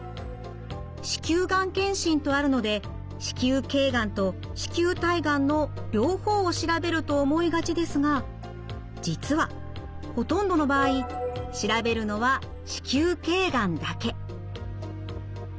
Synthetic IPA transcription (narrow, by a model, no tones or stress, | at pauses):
ɕi̥kʲɨːɡãŋkẽ̞ɰ̃ɕĩnt̪o̞aɾɯ̟no̞d̪e̞ | ɕi̥kʲɨːke̞ːɡãnt̪o̞ | ɕi̥kʲɨːt̪aiɡãnːo̞ɾʲo̞ːho̞ːɕiɾabe̞ɾɯ̟t̪o̞ːmo̞iɡat͡ɕid̪e̞sɨɡa | d͡ʑit͡sɨβa | ho̞t̪õ̞nd̪o̞no̞baːiɕiɾabe̞ɾɯ̟no̞βa | ɕi̥kʲɨːke̞ːɡãnd̪ake̞